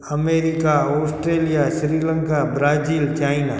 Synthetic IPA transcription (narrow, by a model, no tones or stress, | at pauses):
əmeːɾɪkaɔːsʈɾeːlijaʃɾiːlə̃ŋkabɾaːd͡ʒiːlt͡ʃaːɪnaː